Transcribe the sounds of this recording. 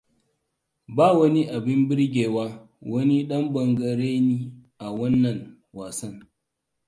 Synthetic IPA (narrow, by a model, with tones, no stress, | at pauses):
baː˦wɐ˦ni˦ʔa˨bɪ˦mbɪ˦ɾɡʲeː˨waː˦ | wɐ˦ni˦ɗɐ˦mbɐ˨ŋɡɐ˨ɽeː˦niː˦ʔa˨wɐ˦nːɐ˨ŋ | waː˨sɐ˦ŋ